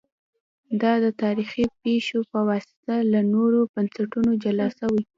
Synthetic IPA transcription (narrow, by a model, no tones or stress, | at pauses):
d̪ɑd̪ət̪ɑɾixipeʃopəwɑsɪ̥t̪alanoɾobansaʈunod͡ʒalɑsawi